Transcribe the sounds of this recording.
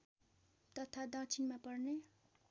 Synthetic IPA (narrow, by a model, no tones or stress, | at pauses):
t̪ʌt̪ʰad̪ʌ̃t͡sʰinmapʌrne